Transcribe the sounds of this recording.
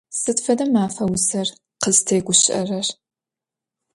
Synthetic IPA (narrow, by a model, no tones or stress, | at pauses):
sɨtfɐdɐmaːfɐwʊsɐr | qəztʰeːɡʷʊɕɪʔɐ̰rɐr